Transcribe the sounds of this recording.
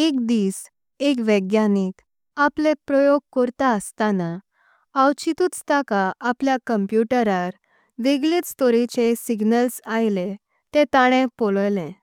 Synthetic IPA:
ek̚d̪iːs | ekʋəɡjanik | aplepɾɔjoɡ̚kɔɾt̪aəst̪ana | awt͡ɕit̪uːt͡st̪akaːpljakəmpjuʈəɾaɾ | ʋeɡliːst̪ɔɾit͡ɕesiɡnəlsajle | t̪et̪aɽ̃ẽpɔləjlẽ

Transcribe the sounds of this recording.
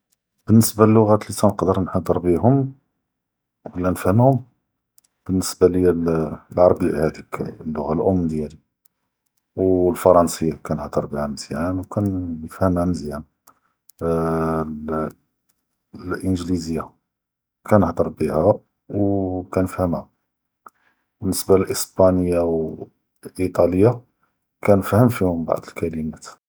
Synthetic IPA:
b̥ənːəsbalːʊɣæt̪lisænəqd̪əɾnħɑd̪ˤəɾˤbiɦʊm | wəlːænəfhəmhʊm | b̥ənːəsbaləjællʕɑɾˤbihæd̪iklːʊɣalʔʊmːd̪jæli | wlfɑɾˤɑnsəjːakænəħd̪əɾˤbihæməz̥jænwkænjəfhəmhæməzjæn | ʔənʒlizəjːa | kænəħd̪əɾˤbihæ | wkænəfhəmhæ | bənːəsbaəlʔəsbænəjːaw | lʔit̪ˤɑləjːa | kænəfhəmfihʊmba̰ʕd̪əlkæləmæt̪

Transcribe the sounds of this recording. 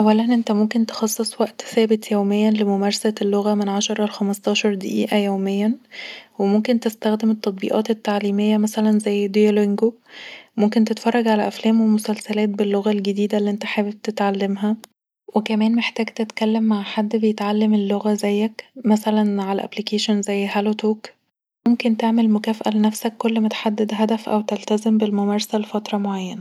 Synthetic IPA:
ʔæwːælænʔent̪æmomkent̪e̥xɑsˤːesˤwæʔt̪sæːbet̪jæwmejːænlemomæɾˤsælːoɣæmenʕaʃɑɾˤɑlxæmɑst̪ˤɑːʃɑɾˤd̪æʔiːʔæjæːmejːænwemomkent̪est̪æxd̪emet̪ːɑt̪ˤbḭːʔɑ̰ːt̪et̪ːaʕliːmejːæmæsælænzæjːd̪ejæleŋɡo | momkent̪et̪fɑrˤːɑɡʕalæʔæflæːmwemosælsælæːt̪̚belːoɣælɡed̪iːd̪ælːiːʔent̪æħaːweb̚t̪et̪ʕalːemɦæ | wekæmæːnmeħt̪æːɡt̪et̪kælːemːaʕħad̪ːbejet̪ʕalːemelːoɣæzæjːækmæsælænʕalæʔæ̰blikeːʃonzæjːɦælot̪ʰoːk | momkent̪eʕmelmokæːfæʔælenæfsækːolːmæt̪ħad̪ːed̪ɦæd̪æfʔæ̰wt̪elt̪æzembelmomæɾˤsælefɑt̪ɾˤɑmoʕajːænæ

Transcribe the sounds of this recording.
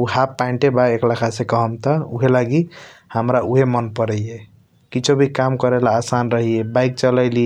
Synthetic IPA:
uhapːaiɳʈebaeklakʰasekəɦəmt̪ɔṵɦelaɡihəmɾauɦemənpəɾɛje | kit͡ʃʰobʱikamkəɾelaːsanɾəɦiebaɪk̚t͡ʃəlaɪlie

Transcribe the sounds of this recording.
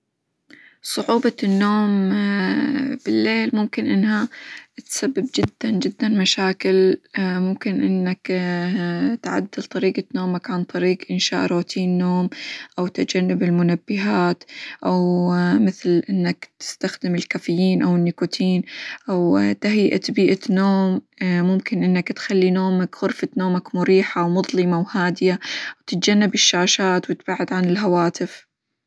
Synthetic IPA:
sˤʊʕuːbɑnːoːm | b̥ɪlːeːlmʊmkɪnʔɪnːhat̪sabːɪbd͡ʒɪd̪ːand͡ʒɪd̪ːanmaʃaːkɪlmʊmkɪnʔɪnːak | t̪ʕa̰d̪ːɪlt̪ˤɑɾiːɡanoːmakʕant̪ˤɑɾiːqʔɪnʃa̰ːʔɾˤoːt̪ʰiːnːoːmʔawt̪ad͡ʒanːɪbɪlmʊnabːɪɦaːt̪ʔawmɪθlʔɪnːakt̪ɪ̥st̪axd̪ɪmɪlkafɪjːiːnʔawɪnːikʊt̪ʰiːnʔawt̪aɦjʔa̰t̪biːʔanoːmː | ʊmkɪnʔɪnːakt̪xalːinoːmakɣʊɾfat̪noːmakmʊɾiːħawmʊðˤlɨmawhaːd̪ɪjawt̪ɪt̪̚d͡ʒanːabɪʃːaːʃaːt̪wɪt̪baʕːɪd̪ʕanɪlɦawaːt̪ɪf

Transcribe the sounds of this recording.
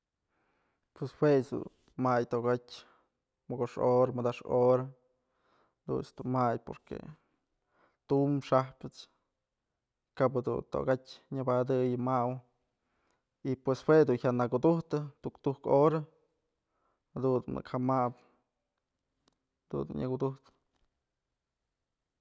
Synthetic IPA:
pweswesd̪ṵn | majt̪oɡatʲ | mɨɡoʂoɾamɨd̪aʂoɾa | d̪ṵnsd̪umajpo̰ɾkḛ | t̪umʂahpɨt͡s | kaphad̪ṵnt̪o̰ɡatʲɲɨbad̪ɨjmaw | ipweshwed̪unçʲaʔnakud̪uht̪ɨt̪ukt̪uhkoɾa | had̪und̪unɨ̰khamap | d̪ṵnd̪ṵnɲakud̪uht̪ɨ̥

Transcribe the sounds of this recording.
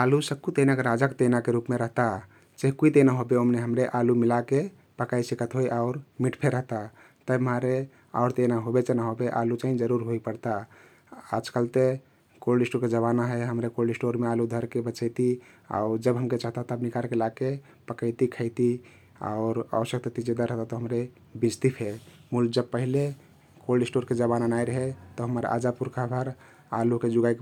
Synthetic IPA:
alusəkut̪enakeɾad͡ʒakt̪enakeɾupmeɾəɦt̪a | t͡ʃeɦkuit̪enaɦobeomneɦəmɾeʔalumilake | pəkaisikət̪ɦoiʔaʊɾmiʈpʰeɾəɦt̪a | t̪əmaɾe | a̰ʊɾt̪enaɦobet͡ʃenaɦobeʔalut͡ʃaɦĩd͡ʒəɾuɾɦoipəɾt̪a | a̰d͡ʒkəlt̪e | kolɖisʈoɾked͡ʒəβanaɦɛɦəmɾekolɖisʈoɾmealud̪ʱəɾkebət͡ʃəjt̪i | a̰ʊɾd͡ʒəbɦəmket͡ʃaɦt̪at̪əbnikaɾkelake | pəkəɪt̪ikʰəɪt̪i | a̰ʊɾa̰ʋəʃjəkt̪ət̪id͡ʒed̪aɾəɦt̪at̪ɔɦəmɾe | bid͡ʒt̪ipʰemuld͡ʒəb̚pəɦile | kolɖisʈoɾked͡ʒəβananaiɾəɦet̪ɔɦəməɾa̰d͡ʒapuɾkʰabʱəɾ | a̰luked͡ʒuɡaik

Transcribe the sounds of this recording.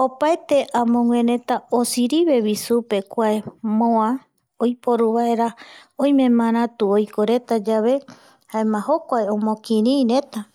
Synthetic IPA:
opaet̪e̞ʔãmõŋwẽɾẽ̞t̪aosiɾiβe̞βisupe̞kʷaemõã | ojpoɾuβae̞ɾaõj̃mẽmãɾ̃ãt̪uojkoɾet̪ad͡ʒaβe̞ | haemãɦokʷaeõmõkĩɾĩɾẽ̞t̪a

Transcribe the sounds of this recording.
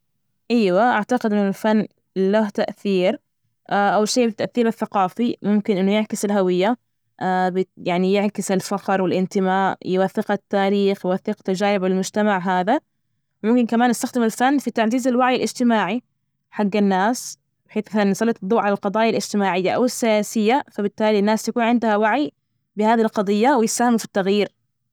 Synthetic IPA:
ʔajwaʔaʕt̪aqɪd̪ʔɪnːʊlfanː | laht̪aʔθiːɾ | ʔaʔawlʃeːbɪt̪ːaʔθːiːɾɪθːaqɑːfimʊmkɪnʔɪnːʊjɪʕkɪsɪlɦawɪjːa | ʔabjaʕnijɪʕkɪsɪlfɑqɾˤwɪlʔɪnt̪ɪmaːʔjɪwaθːɪqat̪ːaːɾiːxjwaθːɪqt̪ad͡ʒaːɾɪbalmʊd͡ʒt̪amaʕɦaːða | wmʊmkɪnkamaːnːɪst̪axd̪ɪmɪlfanːfit̪aʕziːzalwaʕjɪlʔɪd͡ʒt̪ɪmaːʕi | ħaɡːanːaːs | bɪħeːθmθanːsˤɑlɑt̪d̪ˤːuːʕalalqɑd̪ˤɑːjalɪd͡ʒt̪ɪmaːʕɪjːaʔa̰wɪsːɪjaːsɪjːafabɪt̪ːaːlinːaːst̪akuːnʕɪnd̪ʊhawaʕi | bɪhaːðilqɑd̪ˤɨjːawɪjɪsaːhɪmfi̥t̪ːaɣjiːɾ

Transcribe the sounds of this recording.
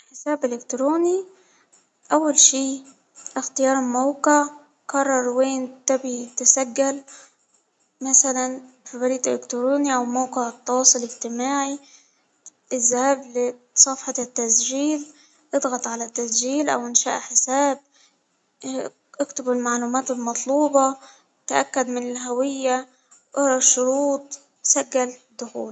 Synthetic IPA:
ħɪsaːbʔɪlɪkt̪ɾoːni | ʔawːalʃiː | ʔɪxt̪ɪjɑːɾˤmawqɪʕ | kɑrˤːɑɾˤweːnt̪abit̪ɪsaɡːal | masalan | fibɑɾiːt̪ʔɪlɪkt̪ɾoːniʔawmaːqɪʕɪt̪ˤːɑwɑːsˤʊlɪɡt̪ɪmaːʕi | ʔɪzːahaːblɪ | sˤɑfħɑt̪ːasʒiːl | ʔɨd̪ˤɣɑt̪ˤʕalat̪ːasʒiːlʔa̰wʔɪnʃa̰ːʔħɪsaːb̚ | ʔɪkt̪abɪlmaʕluːmaːt̪ɪlmɑt̪ˤluːbɑ | t̪ʔa̰kːad̪mɪnɪlɦawɪjːa | ʔɑɾˤɑʃʊɾuːt̪̚ˤ | saɡːald̪ːʊxṵːl

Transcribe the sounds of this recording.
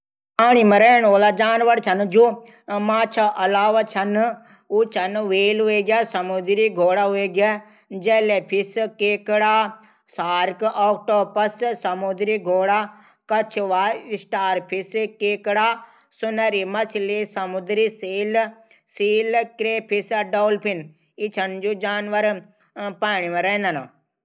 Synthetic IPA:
aːñiməɾeːnoːlad͡ʒaːnʋɐɽt͡ʃʰɐnd͡ʒuː | maːt͡ʃʰaʔɐlaːʋat͡ʃʰɐn | ut͡ʃʰɐnʋeːlɦueɡʲaːsɐmʊd̪ɾiɡʱoːɽaɦueːɡa | d͡ʒɛːlepʰiskeːkɽaː | saːɾkʔoːkʈoːpɐssɐmud̪ɾiɡʱoːɽa | kɐt͡ʃʰʋaːisʈaːɾpʰiskeːkɽaː | sunɐɾimɐt͡ʃʰlisɐmʊd̪ɾisiːl | siːlkɾeːpʰisɖoːlpʰin | it͡ʃʰɐnd͡ʒud͡ʒaːnʋɐɾ | paːɳiʋẽɾɐĩnd̪ana

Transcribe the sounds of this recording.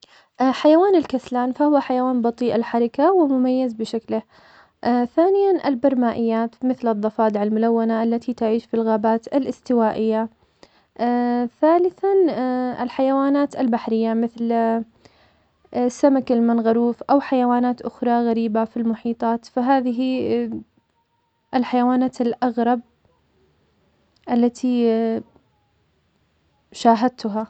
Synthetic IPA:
ʔħajawaːnɪlkaslaːnfahʊwːaħajawaːnbɑt̪ˤiːʔalħaɾˤɑkawɪmʊmajːazbɪʃaklɪh | ʔθaːnɪjanʔɪ̰lbɑɾˤmaːʔɪjːaːt̪mɪθlɨðˤːɑfɑːd̪ɪʕalmʊlawːanaʔalːat̪ʰit̪aʕiːʃfilɣaːbaːt̪ɪlʔɪst̪ɪwaːʔɪjːa | θaːlɪθanɪ̰lħajawaːnaːt̪ɪlbaħɾɪjːamɪθl | sːamakɪlmɪnɣaɾuːfʔawħajawaːnaːt̪ʔʊxɾˤɑɣaɾiːbafilmʊħiːt̪ˤɑːt̪faɦaːðɪɦi | ʔɪlħajawaːnaːt̪ɪlʔaɣɾˤɑb̚ | ʔalːat̪ʰi | ʃaːɦad̪̚t̪ʊɦa

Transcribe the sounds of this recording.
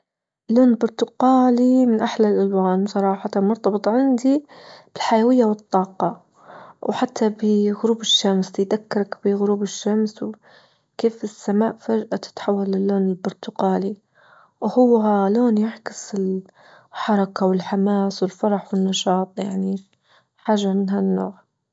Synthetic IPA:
lːoːnlbʊɾt̪ʊqɑːlimɪnʔaħlalʔalwaːnwsˤɑɾˤɑːħɑt̪amʊɾt̪ɑbɨt̪ˤʕɪnd̪ib̥ɪlħajawɪjːawɨt̪ˤːɑːqɑ | wħat̪ʰːabɪɣʊɾuːbɪʃːamsjd̪akːɪɾˤakb̥ɪɣʊɾuːbɪʃːamsw | keːfɪsːamaːʔfad͡ʒʔat̪ɪ̥t̪ħawːalːɪlːoːnɪlbʊɾt̪ʊqɑːli | whʊwːɦaloːnjaʕkɪsɪl | ħɑɾˤɑkawɪlħamaːswɪlfɑɾˤɑħwɪnːɑʃɑːt̪ˤjaʕni | ħaːʒːamɪnɦanːo̰ːʕ

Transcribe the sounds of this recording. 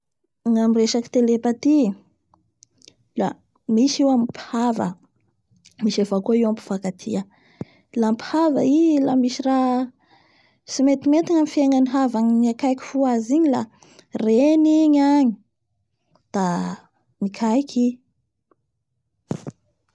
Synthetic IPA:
ŋamireʃaki̥t̪elepat̪i | la | miʃiwamiphavə̰ | miʃefakoiwampi̥fakat̪ʰḭə | lampi̥havailamiʃira | simet̪imet̪iŋamifieŋaniɦavaɲiniakajkʲi̥fuaziɲila | reniɲaɲi̥ | d̪̥a | mikʰajkʰi

